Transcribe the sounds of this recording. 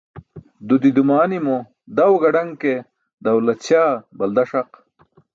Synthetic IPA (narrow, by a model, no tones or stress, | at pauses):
d̪ud̪id̪umaːnimo | d̪ɐwɡɐɖɐŋke | d̪ɐwlɐt̪t͡ɕaːbɐld̪ɐʂɐq